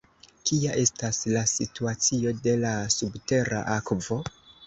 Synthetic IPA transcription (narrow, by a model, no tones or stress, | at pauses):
kiaʔe̞staslasituat͡sio̞de̞lasubte̞ɾa̰ʔakvo̞